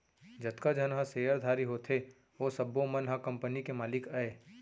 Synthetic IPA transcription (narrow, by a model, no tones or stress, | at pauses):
d͡ʒɐt̪kad͡ʒənɦãseːəɾd̪ʱaːɾiɦoːt̪ʰe | oːsɐbːomɐnɦãkɐ̃mpənikemaːlɪkaeː